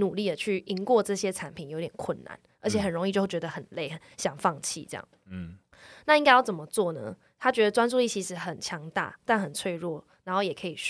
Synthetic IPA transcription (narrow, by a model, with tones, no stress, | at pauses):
nu˨˩li˥˩d̪ə˩t͡ɕʰy˥˩ʔi˧˥ŋkwɔ˥˧ʈ͡ʂɤ˥˩ɕjɛ˥ʈ͡ʂʰa˧˥npʰi˨˩njo˧˥˦t̪jɛ˨˩kʰwə˥˩nna̰˧˩n | ə˞˧˥t͡ɕʰjɛ˨˩xə˨˩nɻo˧˥ŋi˥˧t͡ɕjwt͡ɕɥɛ˧˥d̪ə˧xə˨˩nle˥˩ɪxə˩˦ɕjɑ˨˩ŋfɑ˥˧ŋt͡ɕʰḭ˥˧ʈ͡ʂɤ˥jɑ̰˥˩ŋ | na˥˧i˥ŋka˥ɪjʊt͡sə˩mə˦t͡swɔ˥˩nə̰˦ | t̪ʰa˥t͡ɕɥɛ˧˥d̪ə˨t͡swa˥nt͡su˥˧li˥˩t͡ɕʰi˧˥ʂɻ̩˧˥xə˨˩nt͡ɕʰjɑ˧˥ŋt̪a̰˥˩t̪a˥˩nxə˨˩nt͡sʰwe˥˧ɪɻwɔ˥˩na˧˥nxo˥˩ʊjɛ˨˩kʰə˧˥i˨˩